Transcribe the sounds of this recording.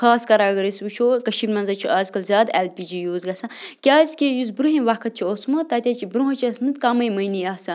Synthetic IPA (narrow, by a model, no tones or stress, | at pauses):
xaːskɐɾaːɡɐɾisʋut͡ʃʰoːkɐʃibmɐnzɐt͡ʃʰiʔaːzkɐlzʲaːd̪elpʲiːd͡ʒijuːzɡɐsɐ̃kʲaːsʲkʲejuz̬bɾuɦiʋakʰɐt̪̚t͡ʃʰiosmɐt̪ɐːt̪ʲat͡ʃʰibɾuɦɐt͡ʃʰiɐsmɨt̪kaːmɐjmɐjniaːsɐ